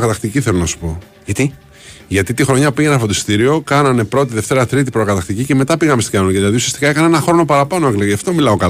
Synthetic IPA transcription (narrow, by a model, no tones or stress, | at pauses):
kɐt̪ɐxt̪iciθe̞lonɐsu̥po̞ | ʝɐt̪i | ʝɐt̪it̪ixɾo̞ɲɐpiʝenɐfot̪ist̪iɾio̞kɐnɐne̞pɾo̞t̪iðe̞ft̪e̞ɾɐt̪ɾit̪̬ipɾokɐt̪ɐxt̪icice̞me̞t̪ɐpiɣɐmest̪cɐnonoceðilɐðiusiɐst̪i̥kɐe̞kɐnɐenɐxɾo̞no̞pɐɾɐpɐno̞ekleɣeɐft̪o̞milɐo̞kɐ